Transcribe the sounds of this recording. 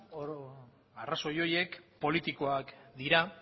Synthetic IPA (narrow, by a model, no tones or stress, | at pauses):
o | araso̞jo̞je̞kpo̞lit̪iko̞akd̪iɾa